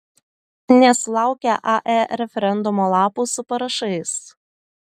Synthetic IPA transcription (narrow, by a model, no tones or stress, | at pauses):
nʲɛslˠɑˑʊkʲɛʔɑʔɛɾʲɛfʲɛɾʲɛnd̪ʊmoːlˠɑːpuːsʊpɐɾɐʃɐɪs